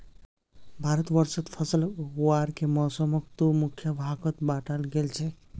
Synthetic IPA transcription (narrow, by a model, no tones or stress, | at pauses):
bʱaɾət̪ʋəɾsət̪pʰəsəlɦuwaɾkemɔːsəməkt̪umukʰjəbʱaɡət̪baʈalɡelt͡ʃʰɛ